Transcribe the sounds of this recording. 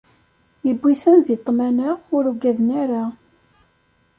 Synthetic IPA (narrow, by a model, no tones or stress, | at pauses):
jəbʷːiθənðit̪ˤːmænəʊɾuɡæðnaɾa